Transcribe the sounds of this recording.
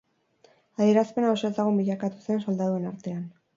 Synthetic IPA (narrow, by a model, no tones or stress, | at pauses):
aðie̞ɾaspe̞naosoezaɣumbiʎakat̪u̥se̞nso̞ld̪aðue̞naɾt̪e̞an